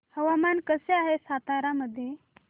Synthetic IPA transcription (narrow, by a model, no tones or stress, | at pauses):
həʋamankəseaɦesat̪aɾaməd̪ʱːje